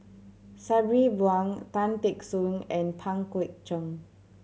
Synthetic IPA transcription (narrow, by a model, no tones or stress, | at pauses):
sabɹibwãŋt̪ãntɛksũnɛ̃npʰãŋkɛk̚t͡ʃə̃ŋ